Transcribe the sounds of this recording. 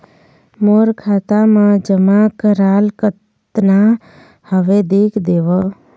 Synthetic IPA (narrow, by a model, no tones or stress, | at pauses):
moːɾkʰaːt̪amãd͡ʒəmakəɾaːlkət̪ | na | həʋed̪eːkʰd̪eːʋə